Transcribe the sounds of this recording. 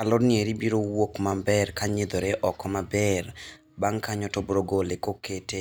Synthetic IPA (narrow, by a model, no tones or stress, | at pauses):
alɔdnɪeɾibiɾowokmambɛrkaɲed̪oɾeʔɔkɔmabɛr | baŋkaɲɔtɔbɾoɡolekokete